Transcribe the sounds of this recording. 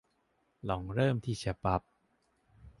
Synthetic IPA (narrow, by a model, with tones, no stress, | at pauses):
lɔ˩˦ŋɾɤː˥˩mt̪ʰiː˥˩t͡ɕʰa˦pa˦˥p̚